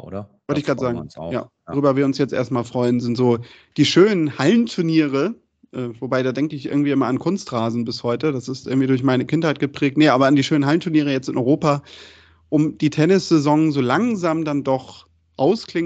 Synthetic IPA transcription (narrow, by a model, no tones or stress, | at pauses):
ɐvɔləɪçɡ̥aːtzaːɡŋ̩̰ja̰ːd̥ʁyːbɐviːɐʊnsjɛt͡stʔḛːɐstmaːlfʁ̥ɔʏənzɪntz̥oː | d̥iːʃøːnənhalntʰʊɐniːʁə | ʔɛːvobaɪdaːdɛŋkəɪçʔɪ̰ɐɡŋ̩tv̥iːʔɪmɐankʰʊnstʁaːzn̩bɪshɔʏtədasɪstʔɪ̰ɐŋ̩tiːdʊɐçmaɪnəkʰɪnthaɪt̚ɡ̥əpʁ̥ɛːk̚tnəʔaːbɐandiːʃøːnənhaləntʰʊɐniːʁ̞əjɛt͡stɪnʔɔʏʁoːpa | ʔʊmd̥iːtʰɛnɪsz̥ezɔŋzoːlaŋzaːmdandɔχ | ʔaʊskl̥ɪŋ